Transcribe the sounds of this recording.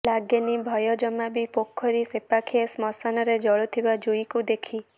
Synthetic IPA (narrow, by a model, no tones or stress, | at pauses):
laɡjenibʱɔjɔd͡ʒɔmabipokʰːɔɾisepakʰiesmɔsanɔɾed͡ʒɔɭɔt̪ʰibad͡ʒujkud̪ekʰi